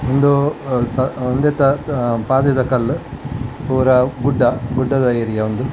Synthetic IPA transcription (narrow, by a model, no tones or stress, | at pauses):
ond̪usɐond̪et̪ɐpaːd̪ɐd̪ɐkɐlːu | uʋɐɾɐɡuɖːɐɡuɖːɐd̪ɐiɾijɐond̪u